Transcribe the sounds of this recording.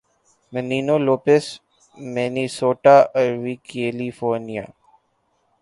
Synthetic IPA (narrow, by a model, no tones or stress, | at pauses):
məniːnoːloːpes | mɛːnisoːʈaɾʋikeːlifoːɾnija̰ː